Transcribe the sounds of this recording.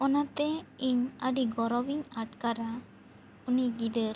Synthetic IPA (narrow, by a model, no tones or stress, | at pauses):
ɔnat̪ɛiɲəɖiɡɔɾɔbiɲaʈkaɾa | uniɡid̪əɾ